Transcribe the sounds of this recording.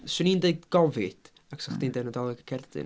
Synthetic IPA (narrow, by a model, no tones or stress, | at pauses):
sɨniːndeɨdɡ̥ɔvɨd̥ | aksɔχdiːndɛnədɔlˠɪɡəkʰɛrdɨ̰n